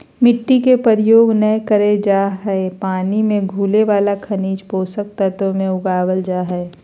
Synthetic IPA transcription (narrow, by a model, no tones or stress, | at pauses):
mɪʈːikepəɾɪjoːɡnəjkəɾed͡ʒaːɦɛepaːnimẽɡʱuːleʋaːlakʰɐniːd͡ʒpoːsək̚t̪at̪omẽʊɡaːwəld͡ʒaːɦɛe